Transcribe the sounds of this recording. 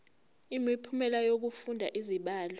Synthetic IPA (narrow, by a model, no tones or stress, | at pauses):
imipʰumɛlajok̬ufundʱa̰ʔiziɓaːlɔ